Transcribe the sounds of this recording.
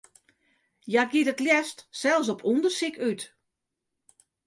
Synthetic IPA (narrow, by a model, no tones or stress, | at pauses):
jaɡitətljɛstsɛlˠs̬ɔpʰundərsikyt